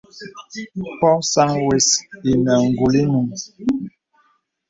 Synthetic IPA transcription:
pɔ˦sa˦ŋwe˦si˨ma˨ŋ̩˨ɡu˨li˦nu˨ŋ

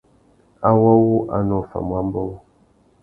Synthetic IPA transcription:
a˦wɔ˦wu˦ʔa˨nɔ˦˨fa̰˨mwa˦m˦bɔ˦w

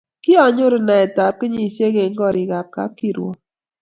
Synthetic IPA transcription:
kɪ˦ɔ˨ɲʊ˦ɾna˨ɛ˨ta˨p̚kɪ˦ɲi˦˨sje˦ɡe˨ŋ˦ɡɔ˦˨ɾɪ˨ɡa˨p̚ka̰˦p̚ki˦˨ɾwo̰˨

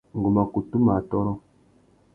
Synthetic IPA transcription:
ŋ˨ɡu˨ma˨ku˨tu˦ma˨tɔ˦ɾɔ˦

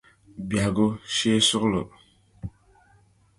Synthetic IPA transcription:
bja˨ɡo˦ʃe˦su˦klo̰˨

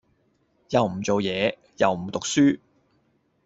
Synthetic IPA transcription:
jɐ˨wm̩˨˩t͡so˨wjɛː˨˧ | jɐ˨wm̩˨˩t̪ʊ˨k̚syː˥

